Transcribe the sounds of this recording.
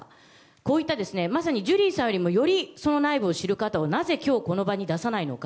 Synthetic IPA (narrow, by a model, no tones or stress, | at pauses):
ko̞ːit̪ːad̪e̞sɨne̞masaɲ̟id͡ʑɨɾʲiːsãɰ̃jo̞ɾʲimo̞jo̞ɾʲiso̞no̞naibɯ̟oɕiɾɯ̟kat̪aonaze̞kʲo̞ːko̞no̞baɲ̟id̪asanaino̞̰ka